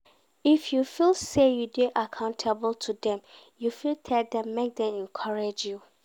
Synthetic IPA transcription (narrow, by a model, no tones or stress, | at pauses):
ifjufilˠsejudeʔakʰãʊ̃ntʰabl̩ˠtʰudɛ̃m | jufilˠtʰɛldɛ̃mːek̚dɛ̃mɛ̃nkʰɔɹed͡ʒju